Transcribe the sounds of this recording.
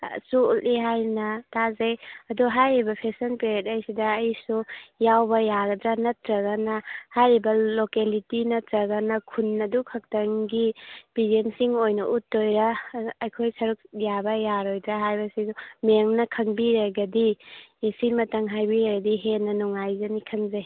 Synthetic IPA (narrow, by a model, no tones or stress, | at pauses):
suuliɦajnɐtazajɐduɦajɾibɐpʰesɐnpeɾet̚ɐjsidɐːjsujawbɐjaɡɐdɾanɐtɾɐɡɐnɐhajɾibɐlokelitinɐtɾɐɡɐnɐkʰunːɐdukʰɐk̚tɐŋɡib̥idensiŋojnɐ̰ʔutːojɾɐːjkʰojsɐɾuk̚jabɐjaɾojdɾaɦajbɐsizumeŋnɐkʰɐŋbiɾaɡɐdisimɐtɐŋɦajbiɾaɡɐdiɦenːɐnuŋajzɐnikʰɐŋzaj